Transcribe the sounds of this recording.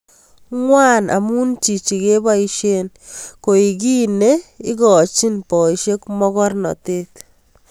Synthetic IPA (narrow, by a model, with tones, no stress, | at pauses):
ŋwa˦na̰˨mu˦nt͡ʃi˨t͡ʃi˨ke˦ba˦iʃe˦n | ko˨i˨k̬i˦ne˦i˦kɔ˨t͡ʃi˦npɔ˨iʃe˦kmɔ˦kɔ˦rnɔ̰˨tet